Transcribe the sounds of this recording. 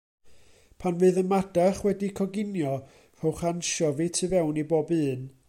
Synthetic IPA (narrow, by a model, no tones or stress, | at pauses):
pʰanvɨːðənmad̥aχwɛdikʰɔɡɪnjɔ | r̥ɔwχanʃɔvitʰɨvɛwniboːbɨːn